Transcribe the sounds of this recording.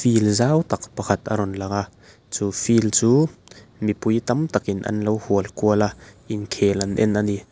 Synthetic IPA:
filzawt̪ɐk̚pɐkʰat̪ʔa̰ɾɔnlaka | t͡suːfilt͡suːmipujt̪ɐmt̪ɐkʔinʔɐ̰nlowhuəlkuəlaʔinkʰɛlʔɐnʔɛ̰nʔani

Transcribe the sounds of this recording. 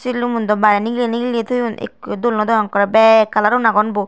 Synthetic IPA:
silumund̪ɔbaɾɛniɡileniɡiliet̪ʰujunḛkd̪olnɔd̪ɔjɔŋkɔɾabɛkːalaɾonaɡɔnbo

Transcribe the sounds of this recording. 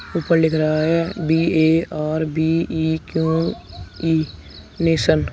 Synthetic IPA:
uːpəɾlɪkʰɾɐɦaɦɛːbiːeːaːɾbiːiːkjũː | iː | neːsən

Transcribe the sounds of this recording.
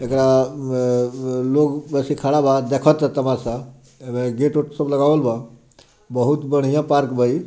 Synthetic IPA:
ekɾa | lokbəsikʰaɽabad̪ekʰət̪ət̪əmasa | eɡeʈoʈsəbləɡaəlba | bəɦut̪bəɽ̤̃ijãpaɾkbəi

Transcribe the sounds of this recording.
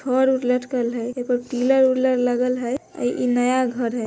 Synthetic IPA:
ɔɾuɾləʈkəlɦəjepəɾʈiləɾuɾləʈləɡəlɦəə̰jʔinəjaɡʱəɾɦə

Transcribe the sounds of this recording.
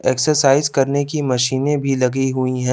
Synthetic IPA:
eːksəɾsaːɪzkɐɾnekimɐʃiːnẽbʱilɐɡiɦuiɦɛ̃ː

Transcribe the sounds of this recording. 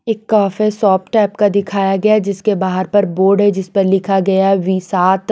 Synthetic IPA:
eːkːaːfesɔːpʈɛːpkad̪ɪkʰaːjaɡɐjad͡ʒɪskebaːɦəɾpɐɾboːɾɖɦɛd͡ʒɪspɐɾlɪkʰaɡɐjaɦɛʋiːsaːt̪

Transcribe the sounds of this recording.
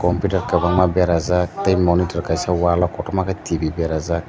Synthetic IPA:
kɔmpitaɾkabaŋmabɛɾazat̪ejmɔnitɔɾkajsawalɔkɔtɔmakatʰibibɛɾaza

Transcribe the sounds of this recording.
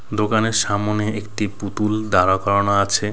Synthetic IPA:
d̪okaneɾʃamoneekʈiput̪uld̪aɾakɔɾonaat͡ɕʰe

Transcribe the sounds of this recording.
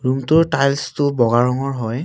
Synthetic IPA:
ɹumtʊɹtajlstʊbɔɡaɹɔŋɔɹɦɔj

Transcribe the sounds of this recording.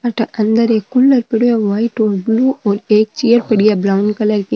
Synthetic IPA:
pɐʈːɐʔɐnd̪ɐɾekʊɭːɐɾpɛɽɪjɐʋaːjʈːoːɾbluːoɾeːk̚t͡ʃɪjɐɾpɐɽɪjɐbɾɐwnkɐlɐɾki

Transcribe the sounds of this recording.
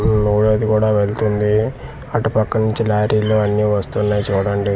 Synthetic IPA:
nuːɽoɐd̪ikuːɽaːʋe̞ɭt̪und̪i | ɐʈupɐkːɐnuɲt͡ʃilaːɾiːloːɐnːiːʋɐst̪unːɐjt͡ʃuːɽɐɳɖi

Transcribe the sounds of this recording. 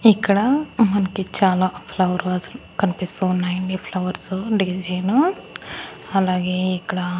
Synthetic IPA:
ikːɐɽɐmɐnɐkit͡ʃaːlaːpʰlɐʋɐɾuɐsɐlukɐnipist̪unɐjɳɖipʰlɐʋɐɾsuɖid͡ʒɐjnu | ɐlaːɡeːikːɐɽɐ

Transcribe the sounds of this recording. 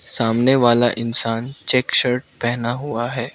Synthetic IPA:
saːmneʋaːlaʔɪnsaːnt͡ʃɛːkʃəɾʈ̚pɛɦnaɦuaɦɛː

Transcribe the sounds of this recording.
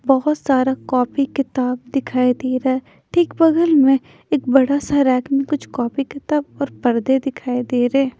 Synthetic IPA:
bɔɦʊt̪saːɾakɔːpikɪt̪aːb̚d̪ɪkʰaːid̪eːɾaɛ | ʈʰiːkbɐɡəlmẽ | eːk̚bɐɽasaɾɛːkmẽkʊt͡ʃʰkɔːpikɪt̪aːbɔːɾpɐɾd̪ed̪ɪkʰaːid̪eːɾɛː

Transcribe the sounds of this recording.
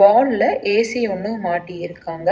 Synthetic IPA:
aːllɐʔeːsɪjɔnːɯmaːʈːiɪɾɯkːaːŋɡɐ

